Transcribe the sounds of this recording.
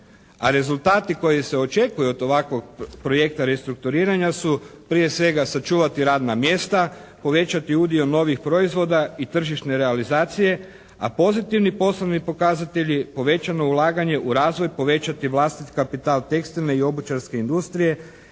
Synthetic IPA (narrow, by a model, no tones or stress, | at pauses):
a̰ɾe̞zulˠt̪aːt̪iko̞jise̞o̞t͡ʃe̞kujuod̪o̞ʋakʋo̞ɡ̚pɾo̞je̞kt̪aɾe̞st̪ɾuk̚t̪uɾiːɾaɲasupɾije̞sʋe̞ɡasat͡ʃuːʋat̪iɾaːd̪namje̞ːst̪a | po̞ʋe̞t͡ʃat̪iud̪io̞no̞ʋixpɾo̞izʋo̞d̪ait̪r̩ʒiʃne̞ɾe̞alizaːt̪sije̞ | a̰po̞zit̪iʋnipo̞sloʋnipo̞kazat̪e̞ʎipo̞ʋe̞t͡ɕano̞ulˠaːɡaɲe̞ʔuɾaːzʋo̞jpo̞ʋe̞t͡ɕat̪iʋlˠast̪it̪i̥kapit̪aːlt̪e̞kst̪ilne̞io̞but͡ʃaɾske̞ind̪ust̪ɾije̞